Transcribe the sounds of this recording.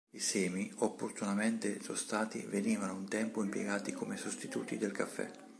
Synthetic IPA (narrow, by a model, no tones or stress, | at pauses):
isɛːmiopːort̪unament̪esost̪aːt̪ḭveniːvanount̪ɛmpoimpjḛɡaːt̪ikomesost̪it̪uːt̪id̪elkafːɛ̰